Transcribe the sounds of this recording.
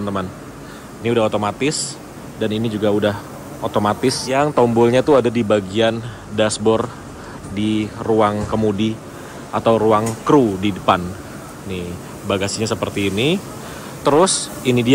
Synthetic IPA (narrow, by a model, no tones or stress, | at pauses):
nt̪əman | niudaɦot̪omat̪ɪs | daninid͡ʒuɡaudah | ʔot̪omat̪ɪsjaŋt̪ombɔlɲat̪uadadibaɡian | dasbɔr | diruaŋkəmudi | at̪awɾuaŋkɾudidəpan | ni | baɡasiɲasəpərt̪iːni | t̪əɾʊs | inidi